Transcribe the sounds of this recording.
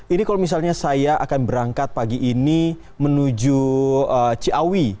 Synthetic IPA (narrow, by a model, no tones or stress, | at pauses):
inikalomis̬alɲasajaʔakanbəɾaŋkat̪̚paɡiʔːni | mənud͡ʒuət͡ʃiawi